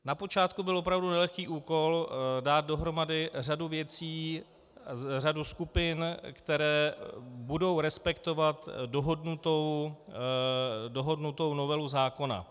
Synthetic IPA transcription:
napo̞t͡ʃaːt̪kubɪlʔop̬ɾavdunɛlɛxkiːʔuːko̞ldaːt̪̚do̞ɦɾo̞madɪr̝aduvjɛt͡siː | r̝aduskupɪnkt̪ɛɾɛːbudo̞wɾɛspɛkt̪o̞vat̪doɦodnut̪ow | doɦo̞dnut̪o̞wno̞vɛluzaːko̞na̰

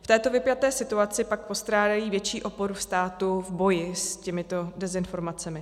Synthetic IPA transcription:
ft̪ɛːt̪o̞vɪpjat̪ɛːsɪt̪uat͡sɪpak̚po̞st̪ɾaːdajiːvjɛt͡ʃiːʔo̞po̞ɾufst̪aːt̪uvbo̞jɪscɛmɪt̪o̞dɛzɪnfo̞ɾmat͡sɛmɪ

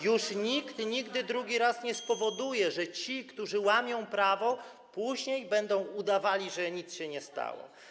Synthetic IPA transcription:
juʂɲikt̪ɲiɡd̪ɘd̪ɾuɡʲiɾasɲɛspɔvɔd̪ujɛʐɛt͡ɕikt̪uʐɘwamʲjɔ̃w̃pɾavɔ | puʑɲejbɛnd̪ɔ̃w̃ud̪avalʲiʐɛɲit̪sɕɛɲɛst̪a̰wɔ̰

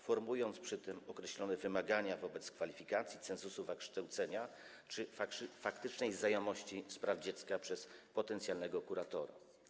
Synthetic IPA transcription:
fɔɾmujɔnt̪spʂɘt̪ɘmɔkɾɛɕlʲɔnɛvɘmaɡaɲavɔbɛt̪skfalʲifʲikat̪sʲjit̪sɛ̃nzusuvakʂt̪awt̪sɛɲa | t͡ʂɘfakʂfakt̪ɘt͡ʂnɛjzajɔmɔɕt͡ɕifspɾavd͡ʑɛt̪skapʂɛspɔt̪ɛnt̪sʲjalnɛɡɔkuɾat̪ɔɾa̰

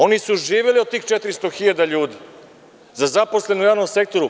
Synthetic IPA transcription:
o̞nisuʒiːʋeliot̪t̪ːiːxt͡ʃet̪ɾist̪oxiʎad̪aʎuːd̪i | zazapo̞sle̞nujaːʋnomse̞k̚t̪o̞ɾu

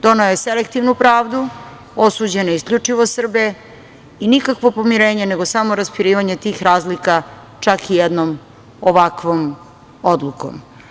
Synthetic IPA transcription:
d̪o̞neoeselekt̪iʋnupɾaːʋd̪u | osuːd͡ʑenoiskʎʲut͡ʂiʋosr̩be | inikakʋo̞po̞miɾe̞ːɲene̞ɡosamo̞ɾaspiɾiːʋaɲe̞t̪iːxɾaːzlika | t͡ʂakijed̪nom | oʋakʋom | od̪lˠuko̰m

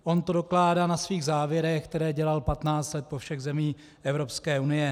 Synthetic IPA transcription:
ʔo̞nt̪odoklaːdaːnasviːɣzaːvjɛɾɛxk̚t̪ɛɾɛːɟɛlalpat̪naːt͡st̪lɛt̪̚po̞fʃɛɣzɛmiː | ʔɛvɾo̞pskɛːunɪjɛ

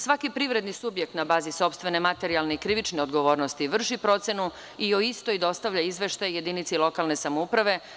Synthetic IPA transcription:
sʋakipɾiʋɾe̞d̪nisubjek̚t̪nabaːziso̞pst̪ʋe̞ne̞mat̪e̞ɾialne̞ikɾiʋit͡ʃneo̞d̪ɡo̞ʋo̞ːɾnost̪iʋr̩ʃipɾo̞t̪se̞nu | ioist̪oid̪o̞st̪aʋʎaizʋe̞ʃt̪ajje̞d̪init̪silˠo̞kalˠne̞samoupɾaʋe̞

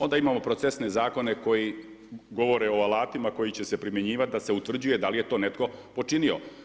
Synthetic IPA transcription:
o̞nd̪aimaːmo̞pɾot̪sesne̞zaːko̞ne̞ko̞ji | ɡo̞ʋo̞ɾeo̞alˠaːt̪imako̞jit͡ɕe̞se̞pɾime̞ɲiːʋat̪̚d̪ase̞ut̪ʋr̩d͡ʑuje̞d̪alije̞t̪o̞ːnet̪ko̞po̞t͡ʂinio̞̰

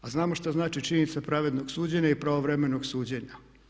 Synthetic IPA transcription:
aznaːmoʃt̪aznaːt͡ʃit͡ʃiɲenit̪sapɾaʋe̞d̪no̞ɡsuːd͡ʑeɲaipɾaʋoʋɾeme̞noɡsuːd͡ʑeɲa

